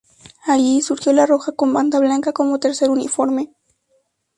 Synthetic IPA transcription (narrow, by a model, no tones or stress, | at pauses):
aʎisuɾxjolaroxakomband̪aβlaŋkakomot̪eɾseɾunḭfoɾme